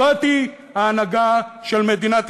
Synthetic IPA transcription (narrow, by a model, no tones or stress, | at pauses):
at̪i | haːnaɡaʃelmed̪inat̪